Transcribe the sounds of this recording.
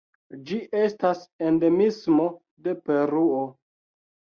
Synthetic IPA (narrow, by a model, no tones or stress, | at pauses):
d͡ʒiʔe̞stasende̞mismo̞ | de̞pe̞ɾuo